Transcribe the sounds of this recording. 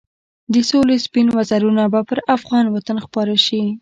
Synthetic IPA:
d̪əsolespinwazaɾunabapəɾafɣɑnwat̪anxpɑɾaʃi

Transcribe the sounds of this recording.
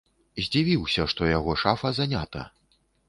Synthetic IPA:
zʲd͡zʲivʲiwsʲɐʂt̪ɔjaɣɔʂafɐzanʲat̪ɐ̰

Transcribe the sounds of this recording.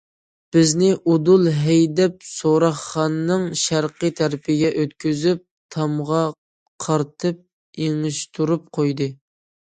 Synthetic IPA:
b̥ɪznɪʔud̪ulˠɦɛjd̪ɛp̚soɾɑχːɑnːɨŋʃæɾqət̪ʰæɾpʰɪɡʲɛʔøt̪̚kʲʰyzyp̚t̪ʰɑmʁɑ | qʰɑɾt̪ʰɨp̚ | eŋɨʃt̪ʰuɾup̚qʰojd̪ɨ

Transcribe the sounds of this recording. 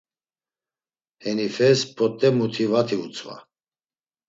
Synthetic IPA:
hɛnifɛspʰɔt̪ʼːɛmut̪ʰivat̪ʰiṵt͡sʰʼva̰

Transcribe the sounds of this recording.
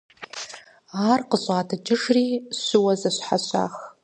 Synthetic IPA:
arqəɕʷʼaːtʰad͡ʒʼɪʂriɕʷʊwazaɕʷħa̰ɕʷa̰χ

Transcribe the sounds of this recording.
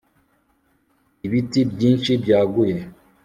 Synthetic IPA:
iβitibɟĩnʃibjaɡuje

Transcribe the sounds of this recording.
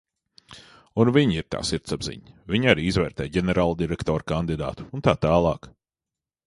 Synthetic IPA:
unviɲiiɾt̪a̰ːsiɾt̪sabzḭɲvʲiɲaɾiːizvɛːɾt̪ɛːjɟʲenɛɾaːlˠud̪iɾɛkt̪ɔːɾkand̪id̪a̰ːt̪u̥ːnt̪aːt̪aːlˠɑːk

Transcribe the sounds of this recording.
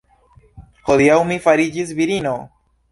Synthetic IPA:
xoðiawmifaɾid͡ʒizβiɾino

